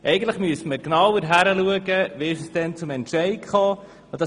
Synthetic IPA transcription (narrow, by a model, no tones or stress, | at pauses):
ʔɛjɡəntləχmyəstməknɑwəɾɦæɾəluəɡəʋɪɪʃəsd̥ɛnt͡sʊmɛntʃɛɪkχɑː | d̥ɑ